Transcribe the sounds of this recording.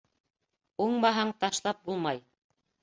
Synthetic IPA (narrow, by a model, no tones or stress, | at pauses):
uɴmɑɦɑɴt̪ɑʃlˠɑp̚bulˠmɑj